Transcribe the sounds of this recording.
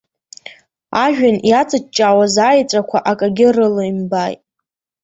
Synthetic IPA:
aʒᶣanjat͡sʼɨt͡ʃːʼawazaːjt͡sʷʼakʷʰaʔakʼaɡʲɪrɨloimbajtʼ

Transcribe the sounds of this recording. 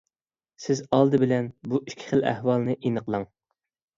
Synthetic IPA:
sɪzɑlˠd̪ɨbɪlɛnbuikʲʰːɪ̥χəlæ̰hwɑlˠnɨʔinəqlˠɑŋ

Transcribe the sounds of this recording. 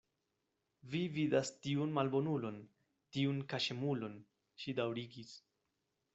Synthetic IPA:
vividastiunmalbo̞nulo̞n | tiunkaʃe̞mulo̞n | ʃidawɾiɡis

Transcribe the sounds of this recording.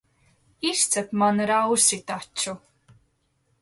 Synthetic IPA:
ist̪sɛpmanɾawsit̪at͡ʃːu

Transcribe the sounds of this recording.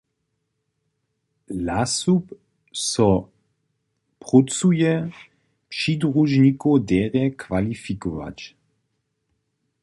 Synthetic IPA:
lasup | sɔ | pʁut͡sujɛ | pʃidʁuʒnikodɛːʁɛkvalifikova̰t͡ʃ

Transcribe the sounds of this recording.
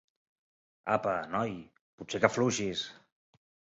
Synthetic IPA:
a̰pənɔj | put̪sekəfluʃis

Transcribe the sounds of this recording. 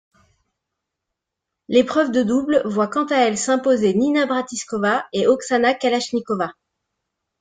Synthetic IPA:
lepχœvd̪əd̪ublvwakɑ̃t̪aɛlsɛ̃pozeninabʁat̪iskɔvaeʔɔksanakalaʃnikɔva

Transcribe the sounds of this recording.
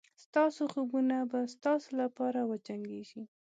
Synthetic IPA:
st̪ɑsoxobunabast̪ɑsolapɑɾawət͡ʃaŋɡeʃi

